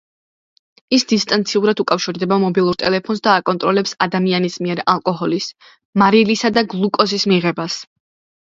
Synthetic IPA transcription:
isd̪ist̪ʼant̪sʰiuɾad̪ukʼafʃiɾd̪ɛbamɔbilˠuɾt̪ʼɛlɛpʰɔnsd̪aːkʼɔnt̪ʼɾɔlɛpsad̪amianismiɛɾalˠkʼɔɦɔlis | maɾilisad̪aɡlˠukʼɔsismiʁɛbas

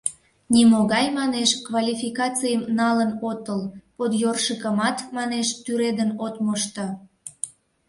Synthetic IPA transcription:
nimoɣɑjmɑneʃkvɑlʲifikɑt͡sijəmnɑlənot̪əlpot̪jorʃəkəmɑt̪mɑneʃt̪yɾed̪ənot̪moʃt̪ə̆

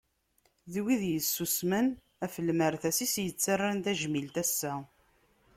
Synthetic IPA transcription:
ðwiðjəsːusmən | æfəlːməɾθæsisjət͡sːarːant̪æʒmilt̪æsːæ

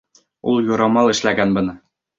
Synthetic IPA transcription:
ṵlˠjŏɾɑmɑlˠɘ̆ʃlæɡænbɤ̆nɤ

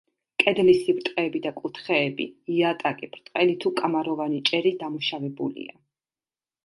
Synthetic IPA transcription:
kʼɛd̪lisibɾt̪ʼqʼɛːbid̪akʼut̪ʰχɛːbḭiat̪ʼakʼibʰɾt̪ʼqʼɛlit̪ʰukʼamaɾɔvanit͡ʃʼɛɾid̪amuʃavɛbṵlḭa̰

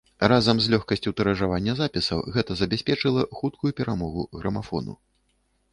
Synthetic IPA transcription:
razɐmzlʲɔxkɐsʲt͡sʲut̪ɐɾɐʐavanʲːɐzapʲisɐwɣɛt̪ɐzɐbʲasʲpʲɛt͡ʂɨlˠɐxut̪kʰujupʲɛɾamɔɣuɣɾɐmafɔ̰nṵ

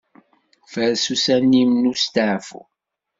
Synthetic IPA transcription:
fəɾsusænimnust̪əʕfṵ

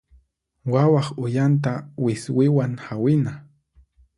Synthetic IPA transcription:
wawɑχʊjant̪̬awɪswɪwaŋhawɪna

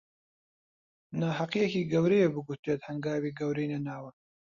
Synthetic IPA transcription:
naːɦɐqijekiːɡɐwɾejebɨɡut̪eːt̪hɐŋɡaːwiːɡɐwɾejnɐnaːwɐ

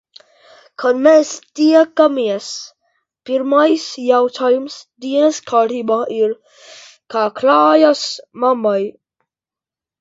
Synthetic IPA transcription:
kʰɔnmɛst̪iakːamiɛs | piɾmajsjawt̪ʰajmsd̪inɛskʰaɾibaiɾ | kakʰlajasmamaj

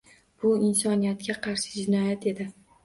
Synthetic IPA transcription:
b̥ʊɪnsɒnijat̪kʲaqʰɑɾʃɪ̥d͡ʒɪnɒjat̪ʰe̞d̪ɪ

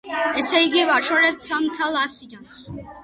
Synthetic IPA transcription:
ɛsʰɛjɡivaʃɔɾɛp̪̚sʰamt̪t͡s̪ʰalasid̪ɔns

